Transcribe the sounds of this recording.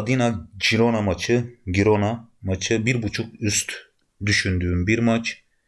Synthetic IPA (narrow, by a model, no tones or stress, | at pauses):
ad̪inad͡ʒiɾonamat͡ʃʰɯɡiɾonamat͡ʃʰɯbiɾbut͡ʃʰuk̚yst̪ | d̪yʃynd̪yːmbiɾmat͡ʃ